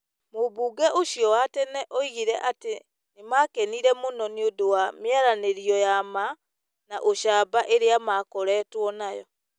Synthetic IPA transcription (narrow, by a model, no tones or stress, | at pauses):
moβuːɡɛʔoʃjɔwatɛnɛʔoiɣiɾɛʔate | nemaːkeniɾɛmonɔniodowamjaɾaneɾiɔjama | naʔoʃaːbaʔeɾeamakɔɾɛtwɔnajɔ̰